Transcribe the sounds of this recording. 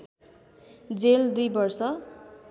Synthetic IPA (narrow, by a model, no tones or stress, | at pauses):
d͡zeld̪ujbʌrsʌ